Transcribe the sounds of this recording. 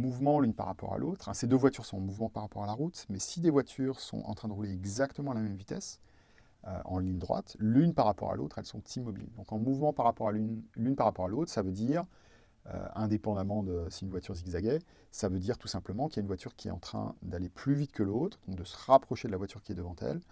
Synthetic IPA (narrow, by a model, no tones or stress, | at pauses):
muvmɑ̃lynpa̰ʁːapɔ̰ʁa̰lʔot̪χɛ̰̃sed̪øvwat̪yʁsɔ̃ɑ̃muvmɑ̃paʁːapɔʁalaʁut̪mɛsid̪evwat̪ʰyʁsɔ̰̃ʔɑ̰̃t̪χɛ̃d̪əʁuleɛɡzakt̪əmɑ̃lamɛmvit̪ɛs | ø̰ʔɑ̰̃liɲd̪ʁwa̰t̪lynpaʁːapɔ̰ʁa̰lo̰t̪χɛlsɔ̃t̪ʰimɔbḭld̪ɔ̃kɑ̃muvmɑ̃paʁapɔʁalynlynpaʁːapɔʁalot̪χsavød̪iʁ | ø̰ɛ̃d̪epɑ̃d̪amɑ̃d̪əsiynvwat̪ʰyʁsiɡzaɡɛ | savød̪iʁt̪u̥sɛ̃pləmɑ̃kəljaynvwat̪yʁkʲiɛ̰ɑ̃t̪χɛ̰̃d̪aleplyvit̪kʰəlot̪χd̪ɔ̃k̚d̪əsə̥ʁapχɔʃed̪əlavwat̪yʁkʲiɛd̪əvɑ̃t̪ɛ̰l